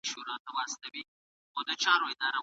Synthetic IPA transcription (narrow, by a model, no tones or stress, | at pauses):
ʃuɾɑt̪awɑːst̪ɐwi | xod̪ət͡ʃɑɾoɪd̪ɑɾa